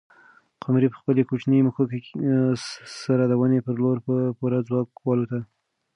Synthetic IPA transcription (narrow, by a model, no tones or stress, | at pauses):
qʰamɾipə̥xpəlekot͡ʃnəjməxok | saɾad̪awənepəɾloɾpoɾad͡zwɑkwɑlot̪a